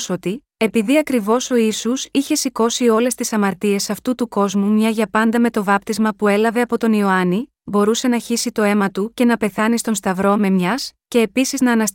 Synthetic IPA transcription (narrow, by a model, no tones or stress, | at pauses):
so̞t̪i | e̞piðiɐkɾivo̞so̞isusiçe̞siko̞sio̞le̞st̪isɐmɐɾt̪ie̞sɐft̪ut̪uko̞zmumɲɐʝɐpɐnd̪ɐme̞t̪o̞vɐp̚t̪izmɐpue̞lɐve̞ɐpo̞t̪o̞nio̞ɐni | bo̞ɾuse̞nɐçisit̪o̞e̞mɐt̪uce̞nɐpe̞θɐnist̪onst̪ɐvɾo̞me̞mɲɐsce̞ːpisiznɐːnɐs